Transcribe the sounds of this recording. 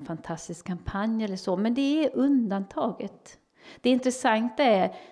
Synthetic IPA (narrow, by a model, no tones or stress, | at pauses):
fant̪ʰast̪ɪskkʰːampʰanjɛlːəʂomɛnd̪ɛæɾɵnd̪ant̪ʰɑːɡət̪ | d̪̥ɛɪnt̪ɾɛsaŋt̪aæɾ